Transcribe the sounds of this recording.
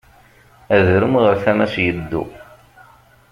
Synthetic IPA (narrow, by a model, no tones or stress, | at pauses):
æðɾəmʁəɾθæmæsjəd̪ːṵ